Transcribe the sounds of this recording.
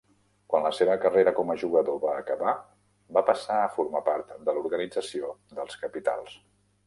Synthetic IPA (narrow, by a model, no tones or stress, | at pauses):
kwanləseβəkəreɾəkɔməʒuɣ̞əðoβaːkəβa | bapəsaəfuɾmapaɾt̪d̪əluɾɣənid͡zəsiod̪əlˠskəpit̪a̰lˠs